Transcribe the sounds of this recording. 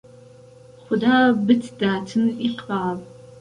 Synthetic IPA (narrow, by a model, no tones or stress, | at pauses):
χʷʊdaːbɨtʰdaːtʰɨniqaːv